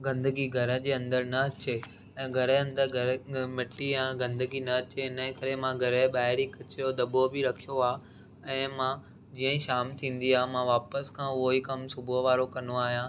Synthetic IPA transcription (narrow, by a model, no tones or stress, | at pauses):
ɡɐ̃nd̪əɡiɡʱɐɾə̆d͡ʑeːɐ̃nd̪əɾnɐɐt͡ɕe | ɛ̃ːɡʱɐɾəɐ̃nd̪əɾɡʱɐɾmɪʈːijãɡɐ̃nd̪əɡinɐɐt͡ɕeɪnəɦkɐɾemãɡʱɐɾəɓaːɦɪɾikɐt͡ɕjod̪ɐbobɪɾɐkʰijoaː | ɛ̃ːmã | d͡ʑiːə̃ʃaːmt̪ʰĩːn̆d̪iaːɦmãʋaːpəskʰãːʊɦoɦikɐmsʊboɦʋaːɾokɐnoaːɦijãː